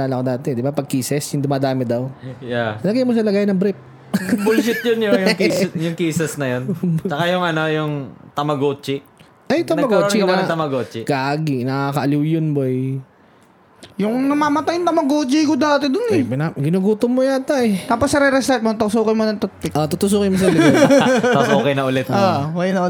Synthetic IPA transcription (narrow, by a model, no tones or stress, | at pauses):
laːlɐkod̪aːt̪ɛd̪ɪbapɐɡ̚kiːsɛsjɪnd̪ʊmaːd̪aːmɪd̪ɐwjasɐlɐɡajmosɐlɐɡaːjnːɐŋbɾɪp̚ | bʊlʃɪt̪̚jʊnjojʊkjʊŋkiːsɛsnɐjont͡ʃɐkajʊŋɐnojʊŋt̪ɐmɐɡoːt͡ʃɪ | ʔɐjt̪ɐnmɐɡoːnt͡ʃiɡɐnaɐɐt̪ɐmɐɡoːt͡ʃɪɡ̥aːɡɪnɐaːkɐʔɐliwjʊnbo | jʊŋnɐmaːmɐt̪ajʊnt̪ɐmɐɡoːt͡ʃɪkod̪aːt̪ɪd̪ʊnɛbɪnaɡɪnuɡuːt̪omojat̪ɐɛt̪aːposːɐɾɛɾɛst̪ɐt̪̚mot̪oksoːkɐjmonɐŋt̪ɐt̪̚pɪkʔot̪ut̪ʊs̬uːkɐjmosɐl | oːkɐjnɐʔʊlɛt̪oɐkjɐnɐʔʊ